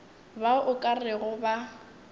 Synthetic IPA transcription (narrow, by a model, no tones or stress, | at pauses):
baʔʊkʼarɪɣʊba